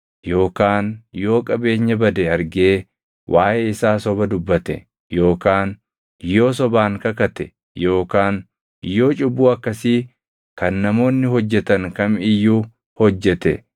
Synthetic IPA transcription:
jo̞ːkaːnjo̞ːkʼɐbe̞ːɲːɐbɐd̪eɐɾɡe̞ː | wʔaːʔeːɪsaːsɔbɐd̪ʊbːɐt̪ɛ̰ | jo̞ːkaːn | jo̞ːs̬ɔbaːŋkɐkɐt̪ɛ | jo̞ːkaːn | jːo̞ːt͡ʃʼʊbːuːɐkːɐsiː | kɐnːɐmo̞ːnːɪɦɔd͡ʒːɛt̪ɐŋkɐmɪjːuː | hɔd͡ʒːɛt̪ɛ̰

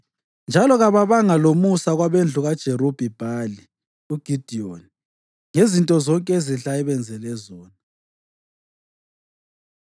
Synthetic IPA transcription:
nd͡ʒʱalɔɣaβaβaŋalomusaɣwaβend͡ɮʱuɣad̥ʒ̥ʱeɾub̥ʱib̥ʱali | uɡ̥ʱid̥ʱioni | ŋezintʼɔzɔŋkʼeziɬaɛβɛnd͡zʱɛlɛzɔːna

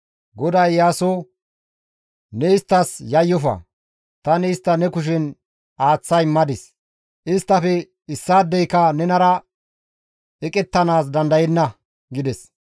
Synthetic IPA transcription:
ɡɔd̪ɐjːaːso | nɛɪst̪ːɐsjɐjːɔfɐ̰ | t̪ɐnɪɪst̪ːɐnɛkʊʃ̬ɪn | aːt͡sːɐjmɐd̪ɪs | ʔɪst̪ːɐfɛ | ɪsːaːd̪ːɛjkɐnɛnɐɾɐ | ɛkʼɛt̪ːɐnaːsd̪ɐnd̪ɐjɛnːɐ | ɡɪd̪ɛs

